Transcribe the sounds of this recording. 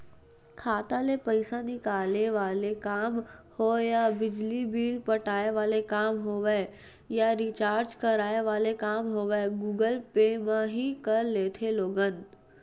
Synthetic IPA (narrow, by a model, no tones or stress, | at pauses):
kʰaːt̪aːlepəɪsanɪkaːleʋaːlekaːmhojabɪd͡ʒlibiːlpɐʈaːeʋaːlekaːmɦoːʋe | jaɾiːt͡ʃaːɾd͡ʒkɐɾaːeʋaːlekaːmɦoːʋeɡuːɡəlpemãɦikɐɾleːt̪ʰeloːɡən